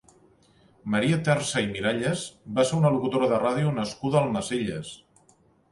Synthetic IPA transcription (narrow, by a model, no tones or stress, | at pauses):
məɾiət̪ɛrsəimiɾaʎəzbaseɾunəlukut̪oɾəðəraðiunəskuðəːlˠnəzeʎəs